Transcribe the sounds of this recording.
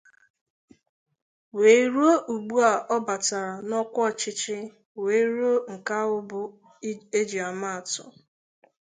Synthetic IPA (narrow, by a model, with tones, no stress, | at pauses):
we˨i˦ɾu˦o˦ʔu˨ɡ͡bu˦a˨ʔɔ˦ba˨ta˨ɾa˨nɔ˦kʷɔ˦˨t͡ʃɪ˦t͡ʃɪ˦ | we˨i˦ɾu˦o˦ŋ̩˨ka˦ʊ˦bʊ˨ | e˦d͡ʒi˨a˨ma˦˨tʊ̰˨